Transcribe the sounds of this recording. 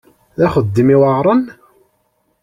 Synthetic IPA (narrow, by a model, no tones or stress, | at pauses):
ðæχəd̪ːimiwəʕɾˤɑn